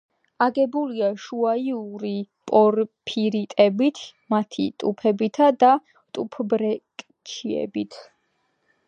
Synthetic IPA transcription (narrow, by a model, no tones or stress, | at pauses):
aɡɛbuliaʃuaiuɾipʼɔɾpʰiɾit̪ʼɛbit̪ʰmat̪ʰḭt̪ʼupʰɛbit̪ʰad̪a | t̪ʼupʰbɾɛkʼ | t͡ʃʰiɛ̰bit̪ʰ